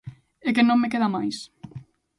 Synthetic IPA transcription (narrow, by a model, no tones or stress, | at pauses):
ekenõmːek̬eðamajs